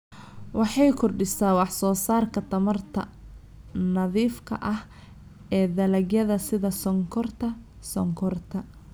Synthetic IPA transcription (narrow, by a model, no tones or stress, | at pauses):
wɑħɑjkʰʊrɖɪsaːwɑħsɔːsaːrkʰɐt̪ʰɐmɐrt̪ʰɐ̰ | nɐðiːfkʰɐ̰ʔɐh | ɛːd̪ɐlɐɡjɐðɐsɪðɐsɔŋkʰɔrt̪ʰɐ | sɔŋkʰɔrt̪ʰɐ